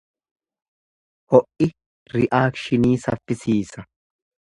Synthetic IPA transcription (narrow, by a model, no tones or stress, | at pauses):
hɔʔɪ | ɾɪʔaːkʃɪniːsɐfːɪsiːsɐ